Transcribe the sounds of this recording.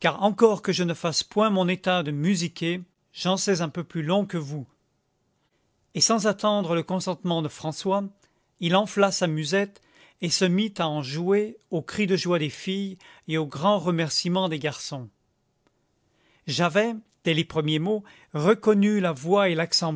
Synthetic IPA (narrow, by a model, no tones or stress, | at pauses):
kaʁɑ̃kɔʁkəʒənəfaspwɛ̃mɔ̃net̪ad̪əmyzikʲe | ʒɑ̃sɛzɛ̃pøplylɔ̃kəvu | esɑ̃zat̪ɑ̃d̪ʁələkɔ̃sɑ̃t̪mɑ̃d̪əfχɑ̃swa | ilɑ̃flasamyzɛt̪ | esəmit̪aɑ̃ʒueokχid̪əʒwad̪efijeoɡʁɑ̃ʁəmɛʁsimɑ̃d̪eɡaʁsɔ̃ | ʒavɛ | d̪̥ɛlepχəmjemo | ʁəkɔnylavwaelaksɑ̃